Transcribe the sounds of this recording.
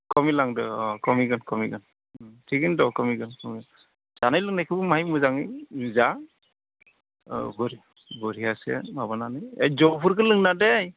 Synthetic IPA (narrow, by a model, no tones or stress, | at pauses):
kɔmilaŋdɯkɔmiɡɯnkɔmiɡɯn | tʰiɡindɔkɔmiɡɯnkɔmiɯ | z̥anajlɯŋnajkʰɯbɯmaɦjmɯzaŋijza | bɔɾi | bɔɾiasḛmabananɯjejzɔpʰuɾkʰɯlɯŋnadej